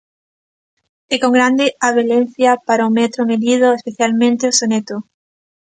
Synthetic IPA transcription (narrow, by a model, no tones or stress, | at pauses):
ekoŋɡɾand̪eaβ̞elenθjapaɾaumet̪ɾomeðið̞oespeθjalmẽnt̪eosonet̪o